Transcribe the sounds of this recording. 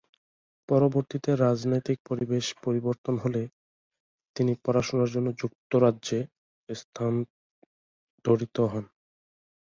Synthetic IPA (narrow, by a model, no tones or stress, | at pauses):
pɔɾoboɾt̪it̪eɾad͡ʑnojt̪ik̚poɾibeʃpoɾiboɾt̪onɦole | t̪inipɔɾaʃonaɾd͡ʑonːod͡ʑuk̚t̪oɾadʑe | st̪ʰan | d̪̥ʱoɽit̪oɦɔn